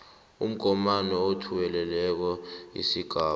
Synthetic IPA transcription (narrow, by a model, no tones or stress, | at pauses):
ṵm̩ɡ̥ʱɔmanɛotʰuwɛlɛlɛk̬ɔḭsiɡ̥ʱaː